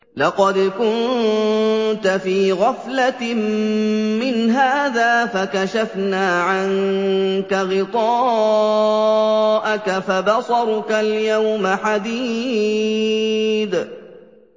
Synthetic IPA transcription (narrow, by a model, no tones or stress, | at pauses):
lɑqɑd̪kʊn | t̪afiːɣɑflammɪnɦaːðaːfakaʃafnaːʕaŋkaɣɪt̪ˤɑː | ʔakafabɑsˤɑɾˤkaljawmaħad̪iː | d̪